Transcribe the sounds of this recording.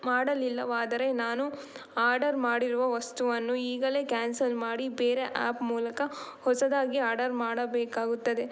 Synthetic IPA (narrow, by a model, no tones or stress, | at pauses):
maːɽɐlilːɐʋaːd̪ɐɾe̞naːnu | aːɾɖɐɾmaːɽiɾuʋɐʋɐst̪uʋɐnːuiːɡɐle̞ːkaːnsɐlmaːɽibeːɾe̞ʔa̰ːpmuːlɐkɐhɔsɐd̪aːɡiaːɾɖɐɾmaːɽɐbɛːkaːɡut̪ːɐd̪e̞